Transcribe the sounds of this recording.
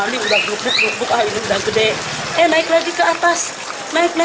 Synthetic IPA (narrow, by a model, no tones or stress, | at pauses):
aniudahluk̚bʊk̚luk̚bʊkaɦiniundahɡədɛ | ɛhnaiklaɡikəat̪as | naɪk̚na